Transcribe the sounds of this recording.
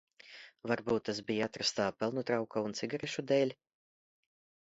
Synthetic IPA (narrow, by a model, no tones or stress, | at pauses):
vaɾbuːt̪ːas̬bijat̪ɾast̪aːpɛlˠnut̪ɾawkaunt̪siɡaɾɛʃud̪ɛːlʲ